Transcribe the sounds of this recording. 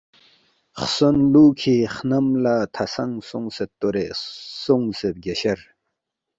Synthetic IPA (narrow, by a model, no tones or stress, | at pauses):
χsonluːkʰiχnəmlat̪ʰasaŋsoŋset̪ːoɾeʔsoŋsep̚ɡeɕɐɾ